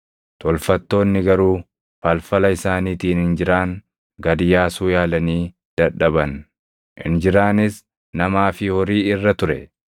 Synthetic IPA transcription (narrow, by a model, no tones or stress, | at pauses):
t̪ɔlfɐt̪ːo̞ːnːɪɡɐɾuː | fɐlfɐlɐɪsaːniːt̪iːnhɪnd͡ʒɪɾaːŋ | ɡɐd̪ɪjaːsuːjaːlɐniː | d̪̥ɐᶑɐbɐn | ɪ̰nd͡ʒɪɾaːnɪs | nɐmaːfɪhɔɾiːɪrːɐt̪ʊɾɛ̰